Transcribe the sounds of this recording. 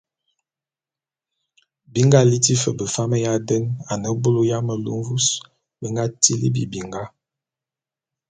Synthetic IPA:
bi˦ŋɡa˦li˦ti˦fə˨bə˨fa˦mə˦ja˦də˦na˨nə˦bo˦lo˦ja˦mə˨lṵ˦mvu˦s | bə˨ŋɡa˦ti˦lḭ˦bi˨bi˨ŋɡa˦

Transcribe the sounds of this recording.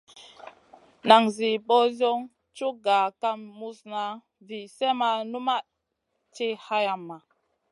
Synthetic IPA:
na˨ŋzi˨ɓo˦zo˦ŋ | t͡ʃu˦ɡa˨ka˦mːu˦sna˦ | vi˨se˦ma˨nu˦ma˦ | t͡ʃi˦ha˦ja˨mːa˨

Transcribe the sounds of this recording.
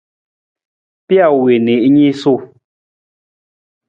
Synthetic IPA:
pja˦˨we˨ne˨ʔɲi˦su˦˨

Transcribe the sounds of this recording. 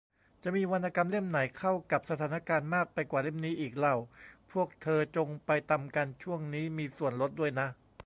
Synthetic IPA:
t͡ɕa˨˩ʔmiː˧wa˧nʔaː˧ka˧mle˥˩mna˩˦jkʰa˥˩wka˨˩p̚sa˧t̪ʰaː˩˦na˥˧kaː˧nmaː˥˩k̚pa˧jkwaː˨˩le˥˩mniː˦˥ʔiː˨˩k̚la˨˩wpʰu˥˩ək̚t̪ʰɤː˧t͡ɕo˧ŋpa˧jt̪a˧mka˧nt͡ɕʰu˥˩əŋniː˦˥miː˧su˨˩ənlo˦˥t̪̚du˥˩əjna˦˥ʔ

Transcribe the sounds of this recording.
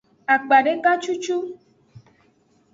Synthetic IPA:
a˨k͡pa˨ɖe˦ka˦t͡ʃu˦t͡ʃu˦

